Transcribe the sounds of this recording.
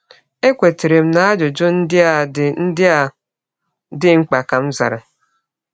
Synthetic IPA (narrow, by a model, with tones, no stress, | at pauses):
e˦kʷe˨te˨ɾe˨m̩˦na˦a˦d͡ʒʊ˨d͡ʒʊ˦n̩˦dɪ˦a˨n̩˦dɪ˦a˨ | dɪ˦ŋ͡m̩˦k͡pa˨ka˨m̩˦za̰˨ɾa̰˨